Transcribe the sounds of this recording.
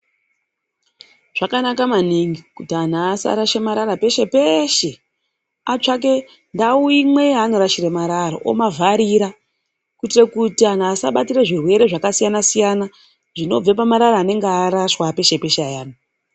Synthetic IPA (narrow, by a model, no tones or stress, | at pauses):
ʐ̥akanakamaniŋɡikutian̤asa̰ɾaʃemaɾaɾape̞ʃe̞peʃe̞ | at͡ʂak̬e̞ | ndauimwe̞ano̞ɾaʃiremaɾaɾo̰ʔo̰mavʱaɾiɾa | kwuitirekutian̤aːsaɓatireʐirwe̞ɾe̞ʐakasijanasijana | ʐino̞b͡vepamaɾaɾaːne̞ŋɡeaɾaʃwape̞ʃe̞pe̞ʃeajaːno